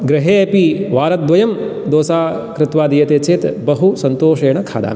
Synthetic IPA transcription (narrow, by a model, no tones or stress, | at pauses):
ɡɾɐɦeːɐpiʋaːɾɐt̪̚d̪ʋɐjɐmd̪oːsaːkɾɪt̪ʋaːd̪ijɐt̪eːt͡ʃeːt̪bɐɦusɐnt̪oːʃeːɳɐkʰa̰ːd̪a̰ːm